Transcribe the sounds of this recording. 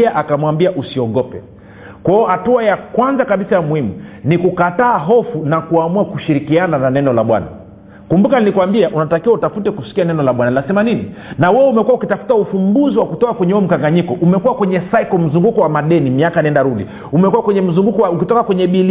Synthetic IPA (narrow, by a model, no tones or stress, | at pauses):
aʔakamwambiaʔusiɔɠɔpɛ | kwaɔhatuajakwanzakaɓisajamuhimunikukataːɦɔfunakuamuakuʃiɾikianananɛnɔlaɓwa̰na̰ | kumbukaninikuwambiaʔunatakiwautafutɛkusi̥kianɛnɔlaɓwanainasɛmanininawɛumɛkuwaukitafu̥taufumbuziwakutɔkakwɛɲɛuɛm̩kaŋɡaɲikɔʔumɛkuwakwɛɲɛsaikɔm̩zuŋɡukɔwamaɗɛnimiakaniɛndaɾuɗḭ | umɛkuwakwɛɲɛm̩zuŋɡukɔwaukitɔkakwɛɲɛɓil